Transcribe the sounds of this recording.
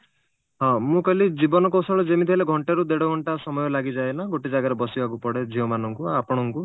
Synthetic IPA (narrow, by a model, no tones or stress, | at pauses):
ɦɔ̃mũkɔlid͡ʒibɔnɔkɔwsɔɭɔd͡ʒemit̪ʰiɦleɡʱɔɳʈeɾud̪eɽɔɡʱɔɳʈasɔmɔjɔlaɡid͡ʒaenaɡoʈid͡ʒaɡaɾebɔsibakupɔɽed͡ʒʱiɔmanɔŋkuapɔɽ̃ɔŋku